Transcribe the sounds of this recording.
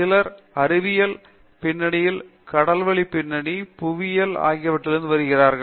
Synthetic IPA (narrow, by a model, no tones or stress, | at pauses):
ɪlɐɾ | ɐɾɯʋɪjɐl | pɪnːɐɳɪjɪl | kɐɽɐlʋɐɭipːɪnːɐɳipʊʋɪjɐla̰ːɣɪjɐʋɐʈːɪlɾɯnd̪ɯʋɐɾɯɣɪraːɾɣɐ